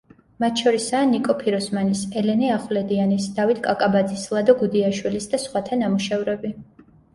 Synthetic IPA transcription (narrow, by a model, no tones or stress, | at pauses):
mat̪ʰʃɔɾisaːnikʼɔpʰiɾɔsmanisɛlɛniaχvlɛd̪ianisd̪avit̪ʰkʼakʼabad̪zislˠad̪ɔɡud̪iaʃwilisd̪asχwat̪ʰanamuʃɛvɾɛbi